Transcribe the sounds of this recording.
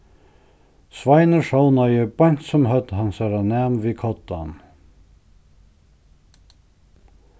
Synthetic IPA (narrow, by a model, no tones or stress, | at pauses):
sʋɑɪnəʃownɑjəb̥ɑnt̪sɔmhœd̪hɑnsɑɾɑnæːmʋiːkʰɔt̪̚ɑ̰n